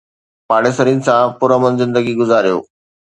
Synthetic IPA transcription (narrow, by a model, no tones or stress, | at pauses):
paːɽesəɾinɪ̆sãpʊɾəmənzɪ̃nd̪əɡiɡʊzaːɾijo̰ː